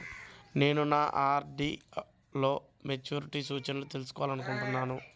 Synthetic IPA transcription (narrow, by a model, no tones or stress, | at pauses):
ne̞ːnunaːʔaːɾɖi | lo̞ː | met͡ʃuːɾiʈisuːt͡ʃɐnɐlot̪e̞lusu̥kɔʋaːlɐnukuɳʈunːaːnu